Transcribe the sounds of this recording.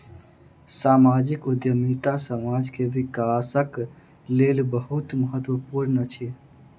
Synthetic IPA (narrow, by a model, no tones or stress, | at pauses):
saːmaːd͡ʒɪkʊd̪jəmit̪asəmaːd͡ʒkeʋɪkaːsək | leːlbəɦʊt̪məɦət̪wəpuːɾnət͡ʃʰe